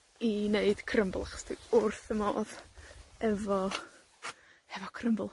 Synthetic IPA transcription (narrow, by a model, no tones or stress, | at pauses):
ineɨd̥kʰrəmblˠaχɔ̥sdiʊrθəmo̰ːð | ɛvɔ | hɛvɔkʰrəmblˠ